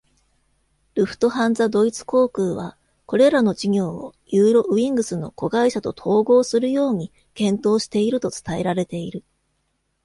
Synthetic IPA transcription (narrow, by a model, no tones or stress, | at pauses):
ɾɯ̟ɸɯ̥t̪o̞ɦãnd͡zad̪o̞it͡sɨ̥ko̞ːkɯ̟ːβ̞a | ko̞ɾe̞ɾano̞d͡ʑiɲʲo̞ːo̰jɯːɾo̞ʔɯ̟ĩŋɡɯ̟sɨno̞ko̞ɡaiɕat̪o̞t̪ʰo̞ːɡo̞ːsɨɾɯ̟jo̞ːɲ̟i | kẽ̞nt̪o̞ːɕi̥t̪e̞iɾɯ̟t̪o̞t͡sɨ̥t̪ae̞ɾaɾe̞t̪e̞iɾɯ̟